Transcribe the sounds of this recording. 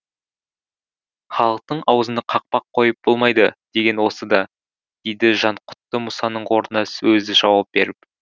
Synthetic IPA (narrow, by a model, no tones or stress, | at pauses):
χɑlˠəq̚t̪əɴɑwəzənɑqʰɑq̚pɑqʰːo̞jəp̚b̥olˠmɑjd̪əd̪̥e̞ɡʲe̞nwo̞səd̪ɑ | d̪̥ejd̪ɪʒɑɴqʰʊ̥t̪ːəmʊsɑnəɴo̞ɾənɑsɵzɪʒɑwɑp̚b̥e̞̰ɾɪp̚